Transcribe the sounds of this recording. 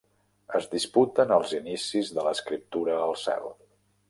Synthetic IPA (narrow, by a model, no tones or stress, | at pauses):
əzðisput̪ənəlˠzinisizðələskɾip̚t̪uɾəːlˠsɛ̰l